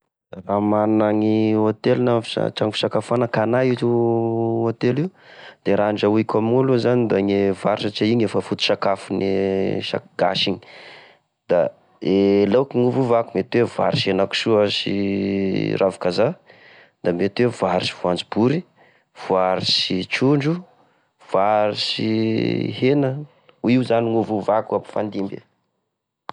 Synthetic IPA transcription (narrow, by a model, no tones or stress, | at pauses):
d̪̥aramannaŋiot̪elunafi̥a̰ʈ͡ʂaŋifi̥sakafanəkanajiu | ot̪elid̪̥eɾaaɳɖ͡ʐauikʲamiuluzanid̪aŋevaɾisat͡ʃaiɲefəfut̪i̥ʃakafuneʃa̰ɡ̥a̰ʃiɲi̥ | d̪̥a | elawkiŋuvuvakumet̪weva̰ɾiʃenaku̥suəsḭ | rʔavu̥kaza | d̪amet̪wevaɾiʃi̥vuand͡zibuɾi | v̥uaɾisit͡ʃuɳɖ͡ʐu | v̥aɾisihenə | uiwzaniŋuvuvakuapi̥fa̰nd̪imbḛ